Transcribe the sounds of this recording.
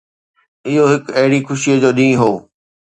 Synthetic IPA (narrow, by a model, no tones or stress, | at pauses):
ɪɦoɦɪkɐɦɪɽixʊʃiəd͡ʑoːɗĩːɦoː